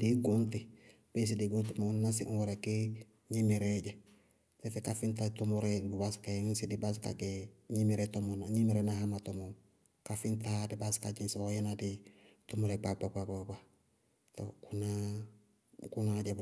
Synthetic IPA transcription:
diɡunti | b̥es̬idiɡuntimonnas̬iʔũwoɾeki | ɲimiɾeɟe | tefekafintatomuɾebubaskasidibas̬ka̰ɡeɲimiɾetomonaɲimiɾenahamatomo | kafintadibaskad͡ʒinsiojenaditomuɾebababababa | to̰kuna | kunad͡ʒeb

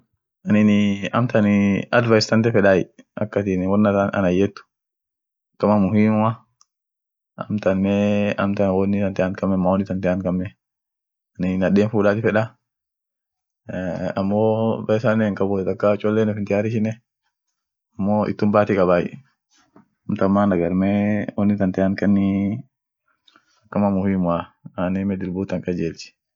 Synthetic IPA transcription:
ʔɐnɪnɪɐ̰mt̪ɐnɪɐd̪vɐjst̪ɐnt̪̬ɛfɛᶑaːjɛ̰ɐ̰kːɐt̪ɪnwɔnːɐt̪anɐ̰nɐjːɛt̪ːʊ̥ | kːɐmɐmʊɦiːmʊma | ɐ̰mt̪ɐnmɛɐmt̪ɐnwɔnːɪt̪ɐnt̪ɛankɐmːɛmːawɔnːɪt̪ɐnt̪ɛaŋkɐmːɛ | ɐnɪnɐɗeːnfuːᶑaːt̪ɪfɛᶑa | ɐmːoːbɐjsaneŋkʼɐbʊt̪ɐkːat͡ʃʼɔlːeːnɔfɪnt̪ɪjaːɾɪʃɪnɛ | ɐmːoːʔɪ̰t̪ːʊmbaːt̪ikʼɐbaːjɪ̰ | ɐmt̪ɐmːaːnɐɡɐɾmewɔnːɪt̪ɐnt̪ɛaŋkɐnːɪ | ɐkːɐmamʊhimʊaanemɛd̪ɪlbuːt̪ːɐŋkʼɐd͡ʒeːlt͡ʃɪ̥

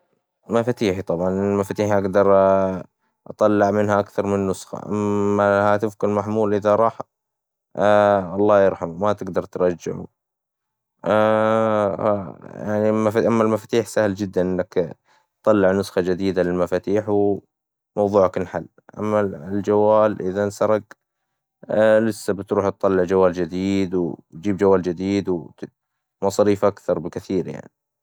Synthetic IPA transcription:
mafaːt̪iːħit̪ˤɑbʕɑnɪlmafat̪iːħʔaɡd̪ɑɾˤ | ʔɑ̰t̪ˤɑlːɪʕmɪnhaʔakθɑɾˤmɪnːʊsxa̰ʔa̰mːaahat̪ɪfkɪlmaħmuːlʔɪðaɾˤɑːħ | ɑlˤːɑːjɑɾˤħammat̪ɪɡd̪ɑɾˤt̪ɾˤɑd͡ʒːɪ̰ʕṵ | ja̰ʕnimafʔamːalmafat̪iːħsahld͡ʒɪd̪ːanʔɪnːak | tt̪ˤɑlːɪʕnʊsxɑd͡ʒɪd̪iːd̪alɪlmafaːt̪iːħw | mɑwðˤuːʕakɪnħa̰lː | ʔa̰mːald͡ʒawːaːlʔɪðansɑɾˤɑɡ | lɪsːabɪt̪ɾuːħt̪t̪ˤːɑlːɪʕd͡ʒawːaːld͡ʒɪd̪iːd̪wd͡ʒiːbd͡ʒawːaːld͡ʒɪd̪iːd̪w | mɑsˤɑɾiːfʔakθɑɾˤbɪkɪθiːɾja̰ʕni

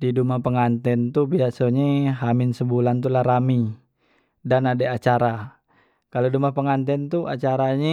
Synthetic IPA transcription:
didumapəŋant̪ɛnt̪ubiasoɲeɦamɪnsəbulant̪ulahɾami | danadeat͡ʃaɾa | kalodumapəŋant̪ɛnt̪ua̰t͡ʃaɾaɲɛ

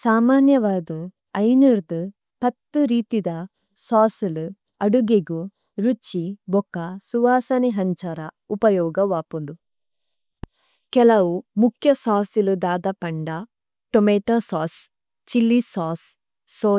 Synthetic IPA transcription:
saːmaːnjɐʋaːd̪u | ɐjniɾd̪u | pɐt̪ːuɾiːt̪id̪ɐ | saːsulu | ɐɽuɡeɡu | ɾut͡ʃːibɔkːɐsuʋaːsɐniɦɐɲt͡ʃɐɾɐ | upɐjɔːɡɐʋaːpulu | kɛlɐwumukʰjɐsaːsilud̪aːd̪ɐpɐɳɖɐ | ʈomeːʈɐsaːs | t͡ʃilːisaːsː | oː

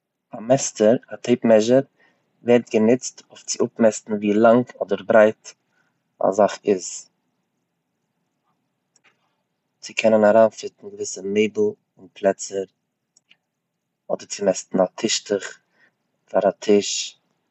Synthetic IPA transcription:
amɛstəɾatʰeɪpmɛʒəɾ | vɛɾtɡənɪt͡stoʊft͡sɪʊp̚mɛstn̩viːlˠaŋkʰɔdəɾbɾaɪt | a̰zaχɪz | t͡sɪkʰɛnənaɾaːfɪtn̩ɡəvɪsəmeɪbl̩ˠ | ʊnpʰlˠɛt͡səɾ | ɔdəɾt͡sɪmɛstn̩atʰɪʃtəχ | faɾatʰɪʃ

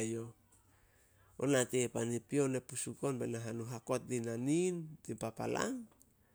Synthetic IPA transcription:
jo̞ | o̰natepanipio̞nepusuko̞nbenaɦanuɦako̞t̚dinanintimpapa̰la̰ŋ

